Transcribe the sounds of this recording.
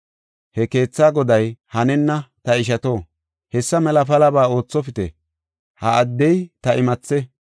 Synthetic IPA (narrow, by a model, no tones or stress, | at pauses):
hɛke̞ːt͡sːaːɡɔd̪ɐjhɐnɛnːɐt̪ɐɪʃ̬ɐt̪o̞ː | hɛsːɐmɛlɐfɐlɐbaːo̞ːt͡sːɔfɪt̪ɛ̰ | hɐːd̪ːɛjt̪ɐʔɪmɐt͡sːɛ